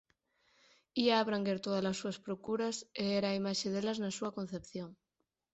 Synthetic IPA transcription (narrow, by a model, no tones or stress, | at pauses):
iaːβ̞ɾaŋɡeɾt̪oðalasːuaspɾokuɾaseeɾaimaʃeðelaznasuakon̟θepθjoŋ